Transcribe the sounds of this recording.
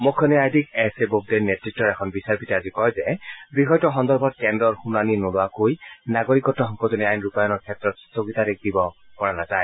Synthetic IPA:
mokʰːɔniajdʱikɛsebob̚denːɛtɹik̚tːɔɹɛkʰɔnbisaɹpitɛazikɔjzɛbixɔjtɔxɔndɔɹbʱɔt̚kɛndɔɹxunaninolʊakojnaɡoɹikɔtːɔɦɔŋkɔtɔniajnupajɔnɔɹkʰɛtɹɔtstoɡitaɾek̚dibɔpɔɹanazaj

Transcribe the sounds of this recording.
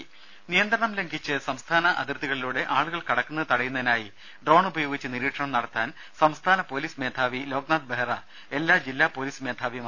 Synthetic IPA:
nijɐnd̪ɾɐɳɐmle̞ŋɡʱit͡ɕːɨsɐmst̪ʰaːnɐʔɐ̰d̪irt̪ːiɣɐɭiluːɽe̞ʔaːɭuɣɐɭkɐɽɐkːunːɨt̪ɐɽɐjunːɐðinaːji | ɖro̞ːɳubɐjo̞ːɡit͡ɕːɨniɾiːʈʂɐɳɐmnɐɽɐt̪ːaːn | sɐmst̪ʰaːnɐpo̞ːliːsme̞ːd̪ʰʱaːʋilo̞ːɡnaːd̪̚beɦrɐ | e̞lːaːd͡ʑilːaːpːo̞ːliːsmeːd̪ʱʰaːʋim

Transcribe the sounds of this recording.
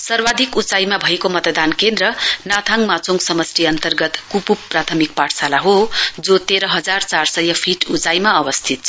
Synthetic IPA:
sʌrbad̪ʱikut͡sajmabʱʌekomʌt̪d̪ankend̪ɾʌnat̪ʰaŋmat͡soŋɡsʌmʌsriʌnt̪ʌrɡʌt̪kupupːrat̪ʰʌmikpaʈʰsalaɦod͡zot̪eɾʌɦʌd͡zart͡sarsʌjːʌpʰiʈut͡sajmaʌbʌst̪ʰit̪t͡sʰ

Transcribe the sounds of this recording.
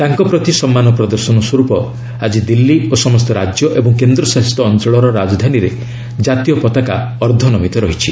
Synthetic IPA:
t̪aŋkɔpɾɔt̪isɔmːanɔpɾɔd̪ɔɾsɔnɔswɔɾupɔ | ad͡ʒid̪ilːiosɔmɔst̪ɔɾad͡ʒjɔʔebɔŋkend̪ɾɔsaɦist̪ɔːnt͡ʃɔɭɔɾɔɾad͡ʒɔd̪ʱaniɾe | d͡ʒat̪ijɔpɔt̪akaɔɾd̪ʱɔnɔmit̪ɔɾɔɦit͡ʃʰi

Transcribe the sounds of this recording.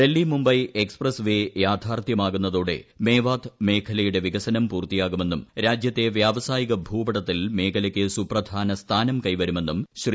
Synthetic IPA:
d̪elːimumbɐjeksprɐsʋejaːd̪ʱaːrt̪jɐmaːɣunːɐðoːɽe̞̰me̞ːʋaːd̪me̞ːkʰɐlɐjuɽe̞ʋiɡɐsɐnɐmpuːrt̪ijaːɣume̞nːumɾaːd͡ʑjɐt̪ːe̞ʋjaːʋɐsaːjiɣɐbʱuːbɐɽɐt̪ːilme̞ːkʰɐlɐkʲːɨsuprɐd̪ʱaːnɐst̪ʰaːnɐmkɐjʋɐɾume̞nːumɕri

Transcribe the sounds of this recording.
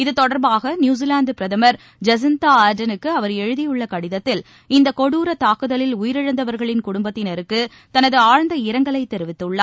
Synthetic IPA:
ɪðɯt̪ɔɽɐɾbaːɣɐnjuːzilaːɳɖpɪɾɐðɐmɐɾ | d͡ʒɐs̬ɪnt̪aːaːɾɖɐnɯkːɯɐʋɐɾɛɻɯðɪjɯɭːɐkɐɽɪðɐt̪ːɪl | ɪnd̪ɐkɔɽuːɾɐt̪ːaːkɯðɐlɪlʊjɪɾɪɻɐnd̪ɐʋɐɾɣɐɭɪnkʊɽʊmbɐt̪ːɪnɛɾɯkːɯ | t̪ɐnɐðɯaːɻnd̪ɐɪɾɐŋɡɐɭɐɪt̪ɛɾɯʋɪt̪ːɯɭːɐ

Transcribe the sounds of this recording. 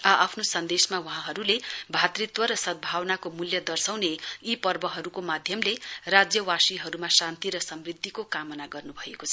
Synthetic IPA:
aʔapʰnosʌnd̪esmawʌɦãɦʌɾulebʱat̪rit̪wʌɾʌsʌt̪̚bʱawnakomuljʌd̪ʌrsawneipʌrbʌɦʌɾukomad̪ʱjʌmlerad͡zjʌwasiɦʌɾumasãnt̪iɾʌsʌmrid̪ːikokamʌnaɡʌrnubʱʌekot͡sʰʌ

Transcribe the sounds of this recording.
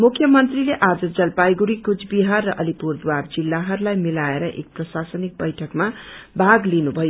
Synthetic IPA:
mukʰjʌmʌnt̪rileʔad͡zʌd͡zʌlpajɡuɾikud͡zbiɦarːʌʔʌlipurd̪ward͡zilːaɦʌɾulajmilaeɾʌʔḛk̚prʌsasʌnik̚bʌjʈʰʌkmabʱaɡlinubʱʌjo

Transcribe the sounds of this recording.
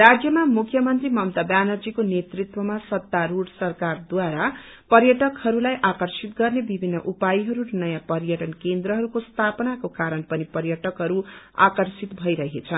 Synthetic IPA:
rad͡zjʌmamukʰjʌmʌnt̪rimʌmt̪abjanʌrd͡zikonet̪rit̪wʌmasʌt̪ːaɾuɽsʌrkard̪waɾa | pʌɾjʌʈʌkhʌɾulajʔakʌrsit̪ɡʌrnebibʱinːʌʔupajiɦʌɾuɾnʌjãpʌɾjʌʈʌnkend̪ɾʌɦʌɾukost̪ʰapʌnakokaɾʌnpʌnipʌɾjʌʈʌkɦʌɾu | a̰kʌrsit̪bʱʌjɾʌɦet͡sʰʌn

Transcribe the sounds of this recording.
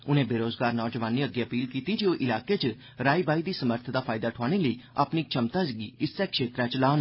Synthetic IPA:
ʊnẽbeːɾoːzɡaːɾnɔːd͡ʒəʋaːnːiəɡːeɐpiːlkiːt̪id͡ʒeːoʔɪlaːket͡ʃ | ɾaːibaːid̪iːsəməɾt̪ʰəd̪aːpʰaːjd̪aʈʰoaːɽ̃eləia̰pniːkt͡ʃʰəmt̪ad͡ʒɡiɪsːekʃeːt̪ɾat͡ʃlaːn

